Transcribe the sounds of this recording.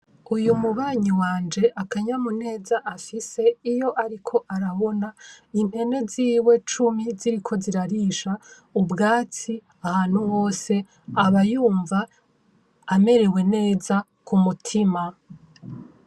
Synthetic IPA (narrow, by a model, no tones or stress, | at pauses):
ujumuβaːɲiwaːnd͡ʒe̞ʔakaɲamune̞ːzaʔafise̞ijo̞ʔaɾikʰo̞ʔaɾaβo̞nainhe̞ne̞ziːwe̞t͡ʃumiziɾikʰo̞ziɾaɾiʃa | ubɡaːt͡si | ahaːn̥huho̞ːse̞ | aβajuːɱvaː | me̞ɾe̞we̞ne̞ːza | kʰumutʰima